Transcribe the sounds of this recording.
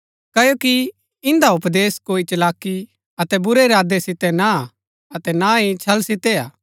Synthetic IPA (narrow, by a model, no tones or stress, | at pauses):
kɐjoːki | ɪ̃nd̪aʊpd̪eːskoːit͡ʃɐlaːkːi | ɐt̪ɛbʊɾeɾaːd̪esɪt̪ɛna | ɐt̪ɛnaɦit͡ʃʰɐlsɪt̪ɛaː